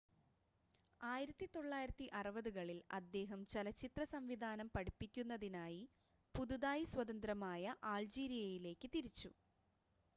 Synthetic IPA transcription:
aːjiɾɐt̪ːit̪o̞ɭːaːjiɾɐt̪ːiʔɐrɐbɐðuɣɐɭilɐ̰d̪ːe̞ːɦɐmt͡ɕelɐt͡ɕːit̪rɐsɐmʋid̪ʱaːnɐmpɐɽipːikʲːunːɐðinaːji | puðuðaːjiswɐðɐnd̪rɐmaːjɐʔaːld͡ʑiːɾijɐjile̞ːkːɨt̪iɾit͡ɕːu

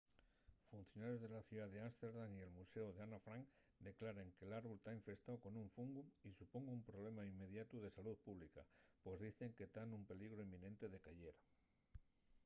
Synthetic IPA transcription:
fun̟θjo̞naɾje̞zðe̞laθjuðaðeanst̪eɾðaŋie̞lmuseoð̞eanafɾaŋ | d̪e̞klaɾeŋkelaɾβult̪aiɱfe̞st̪awko̞nuɱfuŋɡumisupoŋɡuumpɾoβ̞le̞maimːe̞ð̞jat̪uð̞e̞salut̪̚puβ̞lika̰pwezðiθe̞ŋket̪anumpe̞liɣɾoimːĩnẽnt̪e̞ðe̞kaʎeɾ

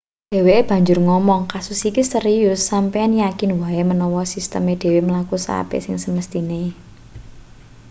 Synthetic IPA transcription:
d̪̥e̤weeb̥ä̤ɲd͡ʒʊrŋɔmɔŋkasʊsikist̪əɾijʊsːampeanjakɪnwaemənɔwɔsist̪ə̰med̥e̤weməlakusa̰pḛsɪŋsəməst̪ine

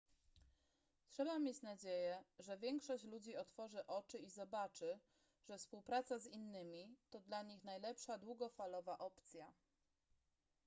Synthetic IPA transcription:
tʂɛbamʲjet͡ɕnad͡ʑejɛʐɛvʲjɛŋkʂɔɕt͡ɕlud͡ʑiɔt̪fɔʐɘʔɔt͡ʂɘizɔbat͡ʂɘ | ʐɛfspuwpɾat̪sazinːɘmʲit̪ɔd̪laɲixnajlɛpʂad̪wuɡɔfalɔvaʔɔpt̪sʲja

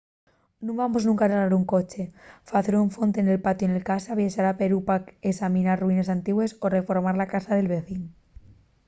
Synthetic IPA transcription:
nũmbamoznũŋkaɾaɾaɾuŋko̞t͡ʃe̞faθeɾuɱfo̞nt̪ene̞lpat̪joenelkasaβjeʃaɾape̞ɾupaesamĩnarruine̞s̬ant̪iɣwe̞sore̞fo̞ɾmaɾlakasaðe̞lβe̞θin

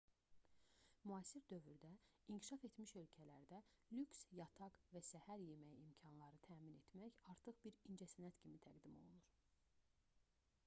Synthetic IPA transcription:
muɑːsiɾd̪ø̞vyɾd̪æincʰi̥ʃɑfe̞t̪miʃø̞lcʰælæ̰ɾd̪ælʲyksjɑt̪ʰɑɡvæsæhæɾje̞mæjimcʰɑnlˠɑɾɯt̪ʰæːmine̞t̪mæçɑɾt̪ʰɯχbiɾind͡ʒæsænæt̪cʰimit̪ʰæɡd̪imo̞̰lˠunuɾ

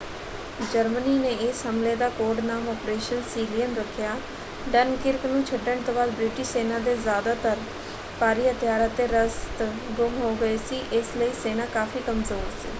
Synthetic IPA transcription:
d͡ʒəɾməniːneːɪshɦəmleːd̪aːkoːɾɖnaːmɔːpɾeːʃənsiːlijənɾəkʰːjaː | ɖənkɪɾknũːt͡ʃʰəɖːəɳ̃t̪õːbaːd̪bɾɪʈɪʃseːnaːd̪eːzjaːd̪aːt̪əɾ | paːɾiːɦət̪jaːɾaːt̪eːɾəst̪ | ɡʊmɦoːɡəeːsiːʔɪsləiːseːnaːkaːfʰiːkəmzoːɾsḭː

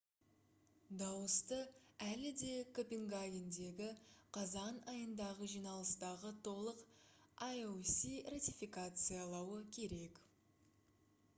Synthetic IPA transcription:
d̪ɑwəst̪əælɪd̪e̞kʰopʲeŋɡaɡʲend̪e̞ɡʲɪqʰɑzɑnɑjənd̪ɑʁəʒijnɑlˠəst̪ɑʁət̪ʰo̞lˠəqajosʲirat̪ijfʲikat̪sɨjɑlˠɑwəkʲʰe̞ɾe̞k

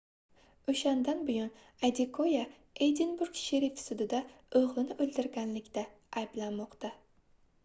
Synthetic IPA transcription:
ʊʃand̪anbʊjɒn | ad̪ɪkʰoja | ejd̪ɪnbʊɾɡʃeɾifsʊd̪ɪd̪a | ɵʁlɪnɪʔɵld̪ɪɾɡʲanlɪkʲd̪aː | jblanmɒqt̪a

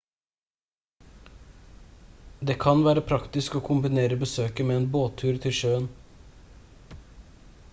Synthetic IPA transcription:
d̪eːkʰɑnʋæːɾəpʰɾɑkt̪ɪskoːkʰʊmbɪneːɾəbəsøːkəmeːeːnboːt̪ʰʉːɾt̪ʰɪlʃøːən

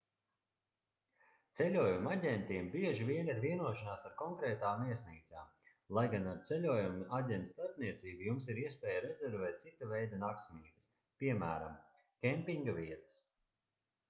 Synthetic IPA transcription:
t̪sɛlʲuɔjumaɟʲɛnt̪iɛmbiɛʒiviɛniɾviɛnuɔʃanaːsaɾkɔŋkɾɛːt̪aːmːiɛsniːt̪saːm | lˠajɡanaɾt̪sɛlʲuɔjumʔaɟʲɛnt̪st̪aɾpniɛt̪siːbujums̬iɾiɛspɛːjaɾɛzɛɾvɛːt̪̚sit̪avɛjd̪anaksmiːbɐs | piɛmæ̰ːɾa̰m | kʲɛmpiŋɡaviɛt̪ɐ̥s

